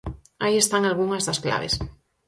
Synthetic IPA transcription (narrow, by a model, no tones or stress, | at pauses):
aiest̪aŋalɣuŋɐzðɐskla̰βḛs